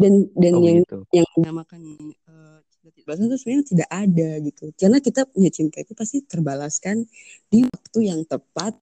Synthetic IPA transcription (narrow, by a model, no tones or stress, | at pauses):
dandanjaŋjaŋdamakani | ə | t͡ʃiat̪ibalas̬ant̪asmajaŋt̪idaʔadaɡit̪ukarənakit̪aɲat͡ʃint̪ait̪upast̪it̪ərbalaskandiwak̚t̪ujaŋt̪əpat̪̚